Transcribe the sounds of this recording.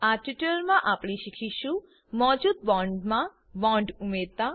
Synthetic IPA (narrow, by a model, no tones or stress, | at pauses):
aʈiʈəɾmãʔapɽ̃iʃikʰiʃũ | mɔd͡ʒud̪̚bɔɳɖmã | bɔɳɖumeɾt̪a